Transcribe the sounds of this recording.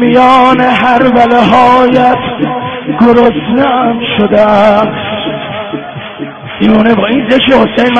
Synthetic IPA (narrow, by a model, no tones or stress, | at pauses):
mijɒːneɦæɾvæleɦɒːjæt̪ʰɡoɾosnænʃod̪e | iːɾuːnebɒːinzeʃehosejnm